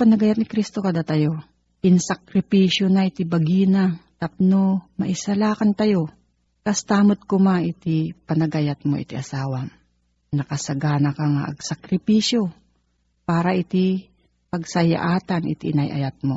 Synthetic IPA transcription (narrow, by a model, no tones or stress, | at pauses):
pɐnɐɡajat̪nɪkɾist̪o̞kɐd̪at̪ɐjo̞ | ʔɪnsɐkɾɪpiːʃjonaʔɪt̪ɪbɐɡiːnat̪ɐp̚nomɐʔɪsɐlaːkɐnt̪ɐjo̞ | kɐst̪aːmot̪̚komaʔɪt̪ɪpɐnɐɡajat̪̚mo̰ʔɪ̰t̪ɪʔɐsaːwa | nɐkɐsɐɡaːnɐkaŋa̰ʔɐ̰ɡsɐkɾɪpiːʃjo | paːɾɐʔɪt̪ɪ | pɐɡ̚sɐja̰ʔaːt̪anʔɪ̰t̪inajʔɐ̰jat̪̚mo